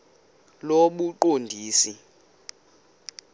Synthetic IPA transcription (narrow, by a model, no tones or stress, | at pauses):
loɓuǃondʱiːsi